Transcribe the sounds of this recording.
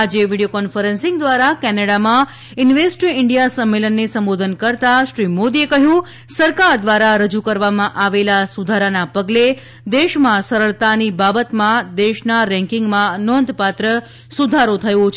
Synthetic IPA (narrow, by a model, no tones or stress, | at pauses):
ad͡ʒeʋiɽijokɔnfəɾə̃nsɪ̃ŋɡd̪ʋaɾakɛneɽamã | ɪnʋesʈɾiɪɳɖijasəmːelənːesəmbod̪ʱənkəɾt̪aʃɾimod̪iekəɦjũ | səɾkaɾd̪ʋaɾaɾəd͡ʒukəɾʋamãʔaʋelasud̪ʱaɾanapəɡle | d̪eʃmãsəɾəɭt̪anibabət̪mãd̪eʃnaɾɛ̃ŋkɪ̃ŋɡmãnɔnd̪ʱpat̪ɾə | sud̪ʱaɾot̪ʰəjõt͡ʃʰ